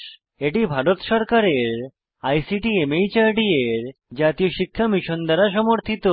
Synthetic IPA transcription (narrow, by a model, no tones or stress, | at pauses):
eʈibʱaɽot̪ʃɔɾkaɾeɾ | ajsiʈiemejt͡ɕaɾʈieɾd͡ʑat̪ijoɕikʰːamiʃond̪əɾas̬ɔmoɾt̪ʰit̪o